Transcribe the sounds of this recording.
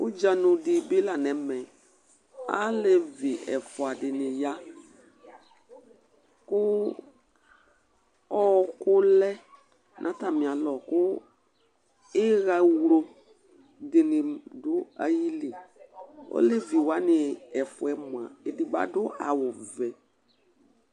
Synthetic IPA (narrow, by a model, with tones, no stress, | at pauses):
ʊ̰˦d͡ʒa˨nʊ˨dɪ˨bɪ˦la˨nɛ˨˦mɛ˨ | a̰˦le˦vɪ˨ʔɛ˨fʊ˨a˨dɪ˨nɪ˨ja˦ | kʊ˦ | ɔ˦kʊ˦lɛ˦ | nʔã˨˦ta˨mɪ̃˨a˨lɔ˨kʊ˦ | ɪ˦ɣa˦wlo˦ | dɪ˨nɪ˨dʊ˦a̰˨ji˦li˨ | ɔ̰˦le˦vi˨wa˨˦nɪ˨ɛ˨fʊ˨ɛ˦mʊ˨a˨ɪ˨dɪ˨ɡ͡ba̰˨dʊ˦ʔa̰˨wʊ˨vɛ˨